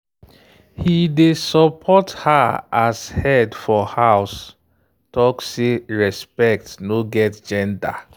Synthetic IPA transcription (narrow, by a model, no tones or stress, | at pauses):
hidesɔpʰɔthaashɛdfɔhaʊs | tɔkseɹɛspɛk̚tnoɡɛtd͡ʒɛ̃nda̰